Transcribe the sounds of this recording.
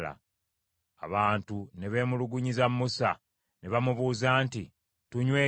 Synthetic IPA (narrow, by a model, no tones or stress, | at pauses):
la̰ | a̰βaːntune̞βe̞ːmuluɡuɲizamːusa̰ | ne̞βamuβuːzaːnti | tuɲwe̞ː